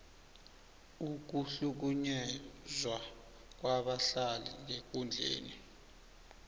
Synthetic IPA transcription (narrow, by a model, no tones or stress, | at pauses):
uk̬uɬuk̬uɲɛzwa | k̬waɓaɬaliŋ̬ek̬und͡ɮʱḛːni